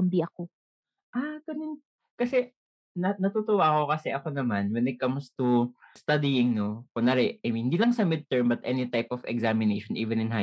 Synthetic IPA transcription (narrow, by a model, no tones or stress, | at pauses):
mbiɐko | ʔaɡɐnon | kɐsɛ | nɐnɐt̪ut̪ʊwaːko̞kɐsɛʔɐkonɐmanwɛnɛkɐmst̪ust̪ad̪iɪŋnokonaɾɛʔɐjminɪnd̪iːlɐŋsɐmɪd̪̚t̪ɛɹmbɐt̪ʔɛnɪt̪ajpɔfɛ̰ɡzamɪnejʃɔnʔiːvɛnɪnɦa